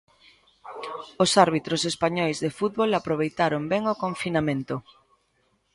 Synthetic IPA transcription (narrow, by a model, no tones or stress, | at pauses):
osaɾβ̞it̪ɾosespaɲɔjzðefut̪̚βolapɾoβ̞ejt̪aɾombɛŋokõɱfinamẽnt̪o